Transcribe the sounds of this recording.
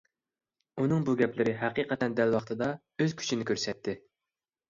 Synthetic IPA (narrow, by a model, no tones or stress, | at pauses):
unɨŋbuɡʲɛplɪɾɪɦæqʰiːqʰət̪ʰɛnd̪ælwɑχt̪ʰɨd̪ɑ | øzkʲʰy̥t͡ʃʰinɪkʲøɾsɛt̪ʰːɪ